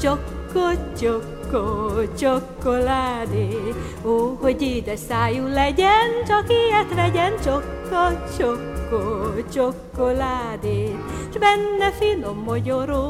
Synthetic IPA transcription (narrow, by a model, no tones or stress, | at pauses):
t͡ʃokːot͡ʃokːot͡ʃokːolaːd̪e | ohoɟid̪ɛsaːjulɛɟɛnt͡ʃɔkiɛt̪lɛɟɛnt͡ʃokːot͡ʃokːot͡ʃokːolad̪e | ʃbɛnːɛfinomːoɟoɾo